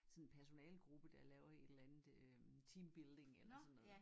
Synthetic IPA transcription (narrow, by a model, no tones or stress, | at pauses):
sɒ̽nnpʰæɐso̝nɛ̰ːlɡ̥ʁub̥əd̥ɑ̈lɛːʊɐe̝d̥lænð̩ˠøt͡sʰiːmb̥ild̥e̝ŋelɐsɒ̽nːɔ̽ðˠ